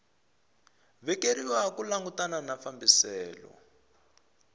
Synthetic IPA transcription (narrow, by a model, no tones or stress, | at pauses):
βɛkeɾiwakulaŋɡutananafambisɛːlɔ̰